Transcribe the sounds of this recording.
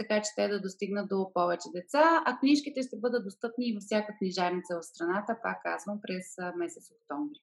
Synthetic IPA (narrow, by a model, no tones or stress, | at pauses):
t̪ɐkat͡ʃɛ̥t̪ɛd̪ɐd̪ost̪iɡnət̪̚d̪opɔvɛt͡ʃɛd̪ɛt̪saɐkniʃkit̪ɛʃt̪ɛbɤd̪ət̪̚d̪ost̪ɤpniːvəfsʲjakəkniʒaɾnit̪səvɐt̪st̪ɾɐnat̪əpa̰kːa̰zvəmpɾɛsmɛsɛt̪sok̚t̪ɔmvɾi